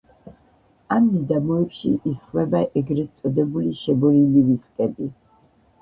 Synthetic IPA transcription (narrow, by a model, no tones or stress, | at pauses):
amːid̪amɔɛpʃiʔisχwɛbaʔɛɡɾɛt̪sʼɔd̪ɛbuliʃɛbɔliliviskʼɛbi